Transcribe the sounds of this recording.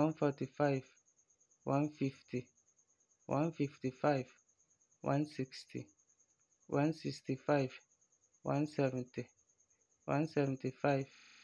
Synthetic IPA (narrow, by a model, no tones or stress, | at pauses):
wãnfɔtifajv | wãnfiftʰi | wʔã̰nfiftifajv | wã̰nsikstʰi | wʔãnsikstifajv | wã̰nsɛvɛ̃nti | wã̰nsɛvɛ̃ntifajv̥